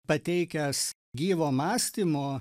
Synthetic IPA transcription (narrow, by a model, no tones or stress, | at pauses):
pɐt̪ʲɛɪkʲɛs | ɡʲiːʋoːmɑːsʲt̪ʲiːmoː